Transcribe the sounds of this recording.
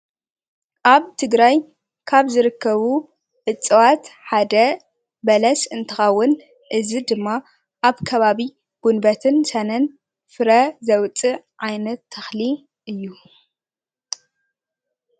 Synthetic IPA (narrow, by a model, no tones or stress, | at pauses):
ʔaβt̪ʰɨɡɾaj | kʰaβzɨɾɨkʰːɐβu | ʕɨt͡sʼɨwat̪ħad̪ɐ | bɐlɐsɨnt̪ʰɨxɐwːʊn | ʔɨzid̪ɨmːa | ʔaβkʰɐβaβi | ɡ̥unbɐt̪ʰɨnsɐnɐn | fɨɾɐzɐwt͡sʼɨʕ | ʕajnɐt̪ʰːɐxli | ʔɨjːu